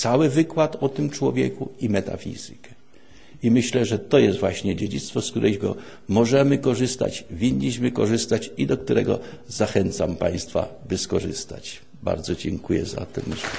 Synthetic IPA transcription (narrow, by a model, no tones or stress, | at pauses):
t̪sawɘvɘkwat̪ɔt̪ɘmt͡ʂwɔvʲjɛ̰kuimɛt̪a̰fʲḭzɘ̰kɛ̥ | imɘɕlɛʐɛt̪ɔjɛst̪vwaɕɲɛd͡ʑed͡ʑit̪st̪fɔskt̪uɾʔɛjɡɔ̰ | mɔʐɛmɘkɔʐɘst̪a̰t͡ɕvʲiɲːiɕmɘkɔʐɘst̪at͡ɕid̪ɔk̚t̪uɾʔɛɡɔ̰zaxɛnt̪sampaj̃st̪fa̰bɘskɔʐɘ̰st̪a̰t͡ɕ | ba̰ɾd̪zɔd͡ʑɛŋkujɛ̰za̰t̪ɛm